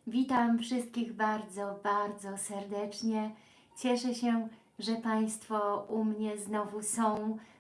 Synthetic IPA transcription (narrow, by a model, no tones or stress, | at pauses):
vʲit̪amfʂɘst̪̚kʲiɣbaɾd̪zɔbaɾd̪zɔsɛɾd̪ɛt͡ʂɲɛ | t͡ɕɛʂɛɕɛ | ʐɛpaj̃st̪fɔumɲɛznɔvusɔ̃w̃